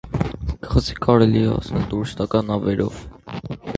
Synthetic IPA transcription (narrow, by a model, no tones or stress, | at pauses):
kə̥χəzi̥kʰɑɾɛliɛɑ̰snɛlt̪uɾist̪ɑkɑnɑvɛɾɔ̰v